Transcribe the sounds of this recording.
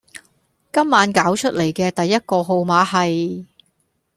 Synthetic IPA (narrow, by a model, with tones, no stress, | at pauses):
kɐ˥mːaː˨˥nkaː˨˥wt͡ʃʰɵ˥t̚le˨˩jkɛː˧t̪ɐ˨jːɐ˥t̚kɔː˧ɦo˨˧wmaː˨˧hɐ˨j